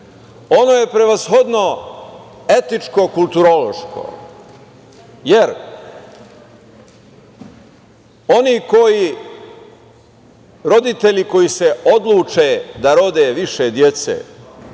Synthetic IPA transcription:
o̞no̞je̞pɾe̞ʋazxo̞d̪no̞ | e̞t̪it͡ʃko̞kulˠt̪uɾo̞lo̞ʃkʰo̰ | jeɾ | o̞niːko̞ji | ɾo̞d̪it̪e̞ʎiko̞jise̞o̞d̪lˠuːt͡ʃed̪aɾo̞d̪eːʋiʃed̪je̞t̪sḛː

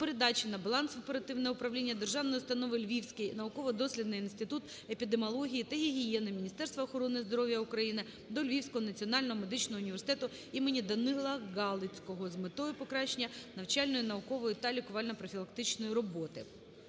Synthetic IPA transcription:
peɾed̪ɑt͡ʃʲinɐbɐlˠɑnsʲɔpeɾɐt̪ɪwnɛʊpɾɐwlʲinʲːɐd̪erʒɑwnɔjʊst̪ɐnɔʋɪlʲʋʲiwsʲkɪjnɐʊkɔʋɔd̪ɔsʲlʲid̪nɪjinst̪ɪt̪ut̪ | epʲid̪emɔlˠɔɦʲijit̪ɐɦiɦijɛnɪmʲinʲist̪ɛst̪ʋɐːxɔɾɔnɪzd̪ɔɾɔʋʲjɐʊkɾɐjinɪ | d̪ɔlʲʋʲiwsʲkɔɦɔnɐt͡sʲiɔnɑlʲnɔɦɔme̞d̪ɪt͡ʃnɔɦɔʊnʲiʋʲersɪt̪ɛt̪ʊ | imenʲid̪ɐnɪlˠɐɡɑlˠɪt͡sʲkɔɦɔzmet̪ɔjʊpɔkɾɑʃɪnʲːɐnɐwt͡ʃɑlʲnɔjʊnɐʊkɔʋɔjʊt̪ɐlʲikʊʋɑlʲnɔpɾɔfʲilˠɐk̚t̪ɪt͡ʃnɔjiɾɔbɔt̪ɪ

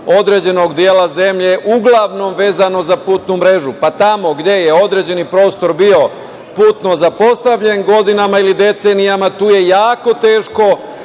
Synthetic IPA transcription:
o̞d̪ɾe̞ːd͡ʑe̞no̞ɡd̪jeːlaze̞mʎe̞ʔuɡlˠaʋno̞mʋe̞ːzano̞zapuːt̪numɾe̞ʒupat̪amo̞ɡd̪je̞jeo̞d̪ɾe̞d͡ʑe̞nipɾo̞ːst̪o̞ɾbio̞ | puːt̪no̞zapo̞st̪aʋʎe̞nɡo̞d̪inamailid̪e̞t̪se̞nijamat̪uːje̞jaːko̞t̪e̞ːʃko̞

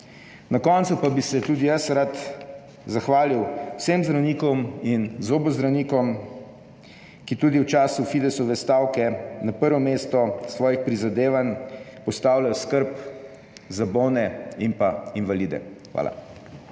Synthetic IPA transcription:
nakɔnt̪supabisɛt̪uːd̪ijɐsɾat̪ | zaxʋaːliwwsemzd̪ɾawniːkɔminzoːbɔzd̪ɾawniːkɔm | kit̪uːd̪iwt͡ʃaːsufid̪ɛsɔʋɛst̪aːwkɛnapəɾʋɔmeːst̪ɔsʋɔːjixpɾizad̪eːʋanpɔst̪aːwlajɔskəɾp | zabonɛimpainʋalid̪ɛ̰xʋa̰ːla̰

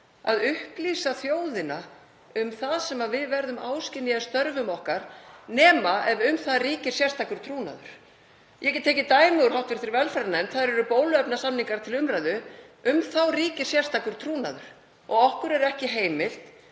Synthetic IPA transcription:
a̰ðʏhpliːsaθjoːwðɪna | ʏmθaðsɛmaðvɪðvɛɾðʏmaːwscɪnːijast̪œɾvʏmɔhkaɾnɛːmaɛvʏmθaðriːcɪɾ̥sjɛ̥st̪ʰakʏɾ̥t̪ʰɾuːna̰ðʏ̰ɾ̥ | jʔɛcɛt̪ʰːɛːcɪt̪aːjmɛɣʏɾ̥ɦawht̪vɪɾ̥θɪɾvɛlfaɾnaɪnθaðɾɛɾʏpoːwlʏœpnasamniŋkaɾ̥t̪ʰɪlʏmɾajðʏʏmθawriːcɪ̥sjɛr̥st̪akʏɾ̥t̪ʰɾuːnaðʏɾ̥ | ɔɣɔhkʏɾɛɾɛhcɪɦeːjmɪl̥t̪

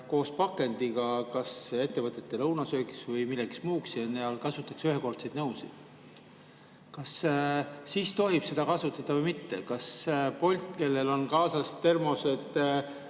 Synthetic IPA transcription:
ko̞ːspɑkːˑe̞nd̪̥iɡ̥ɑkɑse̞t̪ːe̞vɤt̪ːˑe̞t̪ːe̞lɤwnɑsø̞ːki̥svɤjmilːeksmuːksjɑneɑlkɑsut̪ːˑɑksyɦeko̞rt̪sed̪nɤwsḭ̥ | kɑsː | iːst̪o̞ɦib̥se̞d̪̥ɑkɑsut̪ːˑɑt̪ːɑvɤjmit̪ːe̞kɑspo̞lʲt̪̚ke̞lːe̞lo̞nkɑːsɑst̪e̞rmose̞t̪ː

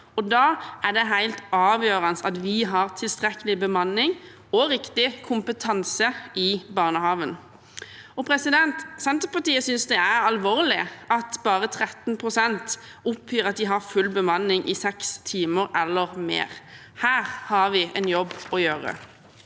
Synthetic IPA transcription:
ɔd̪ɑːæʁd̪ɛɦæɪlt̪ɑːʋjøːʁənsɑt̪ʋɪɦɑʁt̪ʰɪlst̪ʁɛkəlɪbəmɑnːɪŋ | ɔɾɪkt̪ɪkʰʊmpət̪ʰɑnsəɪbɑːʁnəhɑːʋən | ɔpʰɾɛsɪd̪ɛnt̪sɛnt̪əʁpɑt̪iːəsʏnsd̪ɛæɾɑlʋoːʁlɪʔɑt̪bɑːʁət̪ʰɾɛt̪n̩pʰʁʊsɛnt̪ | ʊpʰhyːʁɑt̪̚d̪ɪɦɑfʉlbəmɑnːɪŋʔɪsɛkst̪ʰiːməɾɛlːəʁmḛːʁ | hæːʁhɑʁʋɪʔɛ̰njɔbːɔjøːʁə̰

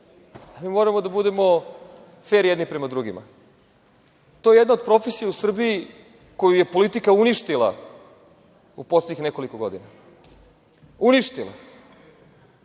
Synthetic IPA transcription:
amiːmo̞ɾamo̞d̪abud̪e̞mo̞ | fe̞ːɾjed̪nipɾe̞mad̪ɾuɡima̰ | t̪oje̞jed̪naod̪pɾo̞fesijausr̩bii | ko̞juje̞po̞lit̪ikauniʃt̪ilˠa̰ | upo̞sleɟɲixneko̞likoɡo̞̰d̪ina | uniʃt̪ilˠa̰

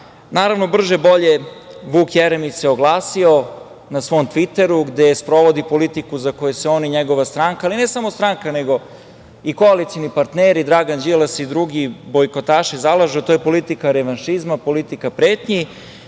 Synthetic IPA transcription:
naːɾaʋno̞br̩ʒebo̞ʎeʋuːkjeɾemiseoɡlˠaːsio̞ | nasʋo̞mt̪ʋit̪eɾuɡd̪espɾo̞ʋod̪ipo̞lit̪ikuzako̞jeseo̞ːniɲeɡo̞ʋast̪ɾaŋkaːline̞samo̞st̪ɾaŋkane̞ɡo̞ | ikoalit̪sionipaɾt̪neːɾid̪ɾaːɡand͡ʑilˠasid̪ɾuɡibo̞jko̞t̪aːʃizalˠaʒeot̪oːjepo̞lit̪ikaɾeʋanʃizmapo̞lit̪ikapɾeːt̪ɲi

